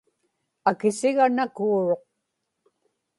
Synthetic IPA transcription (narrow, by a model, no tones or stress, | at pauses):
akɪsɪɣanakuːɻo̞q̚